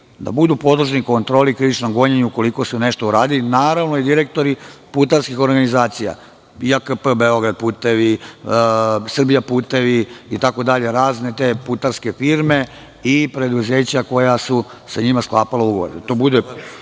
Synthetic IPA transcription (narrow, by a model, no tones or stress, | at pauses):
d̪a̰bud̪upo̞d̪ruʒniko̞nt̪ɾo̞ːlikɾiʋit͡ʃnomɡo̞ɲeɲuuko̞liko̞sune̞ʃt̪ouɾaːd̪ilinaːɾaʋno̞id̪iɾe̞k̚t̪o̞ɾiput̪aɾskixo̞ɾɡanizaːt̪sija̰ | iakəpəbeo̞ɡɾad̪̚puːt̪e̞ʋi | sr̩bijapuːt̪e̞ʋiːt̪ako̞d̪aʎe̞ɾaːzne̞t̪e̞put̪aɾske̞fiɾme̞ | ipɾe̞d̪uze̞ːt͡ɕako̞jasusaɲimasklˠaːpalauɡoʋo̰det̪obud̪e